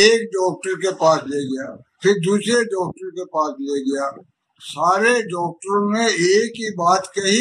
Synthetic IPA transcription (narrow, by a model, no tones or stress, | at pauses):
eːk̚ɖɔːk̚ʈəɾkepaːsliaɡɐjaːpʰɪɾd̪uːsɾeɖɔːk̚ʈəɾkepaːsliaɡɐjaː | saːɾeɖɔːk̚ʈəɾõmẽeːkibaːt̪kɐɦi